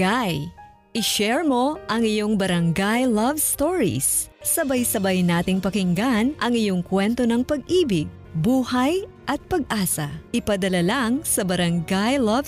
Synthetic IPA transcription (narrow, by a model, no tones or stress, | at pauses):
aj | ʔɪʃɛɹmo̞ʔɐŋɪjo̞ŋbɐɾɐŋɡajlɐvst̪oɹḭsːɐbajsɐbajnaːt̪ɪŋpɐkɪŋɡanʔɐŋɪjo̞ŋkwɛnt̪o̞nɐŋpɐɡʔiːbɪɡ̚ | buːhɐj | ʔɐt̪̚pɐɡ̚ʔaːsɐʔɪpɐd̪ɐlalaŋsɐbɐɾɐŋɡajlɐv